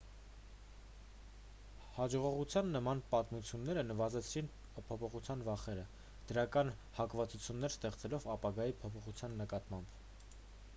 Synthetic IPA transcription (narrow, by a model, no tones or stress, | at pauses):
hɑd͡ʒɔʁɔʁut͡sʰjɑnːəmɑnpɑt̪mut͡sʰjunːɛɾənəvɑzɛt͡sʰɾin | pʰɔpʰɔχut͡sʰjɑnvɑχɛɾə | d̪̥əɾɑkɑn | hɑkvɑt͡sut͡sʰjunːɛɾst̪ɛχt͡sɛlɔvɑpɑɡɑjipʰɔpʰɔχut͡sʰjɑnːəkɑt̪mɑmb